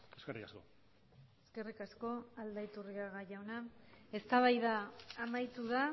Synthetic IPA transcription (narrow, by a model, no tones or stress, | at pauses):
eskerikasko̰ | eske̞rikasko̞ald̪ait̪uriaɣaʝawnae̞st̪aβajðaːmajt̪uða